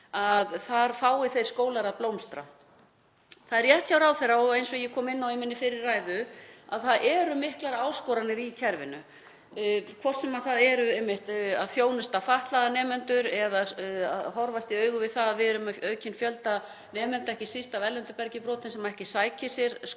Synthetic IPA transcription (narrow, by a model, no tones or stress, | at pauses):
aðθaɾfaːwɪθej̥skoːwlaɾaðplowmst̪ɾa̰ | θaðɛɾjɛht̪çawɾawθerːaɔɣejnsɔjɛkʰɔːmɪnːawɪmɪnːɪfɪɾɪɾːajðʏaðθaðʔɛɾʏmɪhklaɾaaːwskɔːɾanɪɾicʰɛɾvɪ̰nʏ | kʰvɔrt̪sɛmaðθaðɛɾʏejmːɪht̪a̰ðθjoːwnʏst̪afaht̪laðanɛːmɛnt̪ʏɾɛðaa̰ðɦɔɾvast̪iœːɥɣʏvɪðθaðvɪɛɾʏmœːɥcɪnfjœlt̪a | nɛːmɛnt̪aɛhcɪsist̪avɛlːɛnt̪ʏpɛɾcɪpɾɔːt̪ɪnsɛmaɛhcɪsaːjcɪsjɛɾ̥s